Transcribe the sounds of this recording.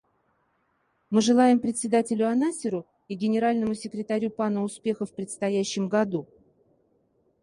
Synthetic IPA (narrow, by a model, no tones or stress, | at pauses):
mɨʐɨlˠajɪmpɾʲɪt̪ʲsʲɪd̪atʲɪlʲʊɐnasʲɪɾʊ | iɡʲɪnʲɪɾalʲnəmʊsʲɪkɾʲɪt̪ɐɾʲupanəʊspʲe̞xəfpɾʲɪt̪st̪ɐjæɕːɪmɡɐd̪u